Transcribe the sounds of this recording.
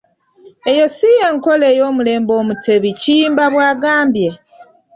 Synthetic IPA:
ejo̞sijeŋko̞le̞ːjo̞ːmule̞ːmbo̞ːmutʰe̞βiciːmbaβwaːɡaːmbje̞

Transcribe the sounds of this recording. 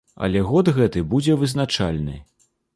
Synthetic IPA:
ɐ̰lʲɛɣɔd̪ɣɛt̪ɨbud͡zʲɛvɨznat͡ʂalʲnɨ̰

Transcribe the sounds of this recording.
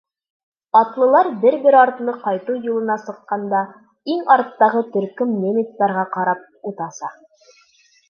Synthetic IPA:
ɒt̪lˠɤ̆lˠɑɾbɘɾbɘɾɑɾt̪ɤ̆nɤqɑjt̪ujulˠɤ̆nɑsɤ̆qːɑnd̪ɑ | iŋɑɾt̪ːɑʁɤt̪ɵ̆ɾkɵmnʲemʲit̪ːɑɾʁɑqɑɾɑp̚ | ut̪ɑsɑ

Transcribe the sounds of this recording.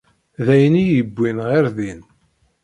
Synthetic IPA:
ðæjnijəbʷːinʁɪɾðin

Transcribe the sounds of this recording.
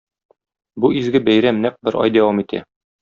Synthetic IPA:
buʔizɡɘbæjɾæmnæq̚bɘɾʔɒ̰jd̪æwɑmit̪ʰæ̰

